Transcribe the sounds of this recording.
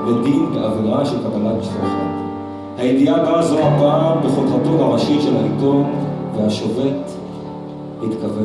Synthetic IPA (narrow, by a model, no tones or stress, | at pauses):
bedinbeʔaviʁaʃelkabalatbiʃtofa̰t | hajidiabazoababeχolχatothaʁaʃiʃelhaʔitonvehaʃove̞t | hit̪kave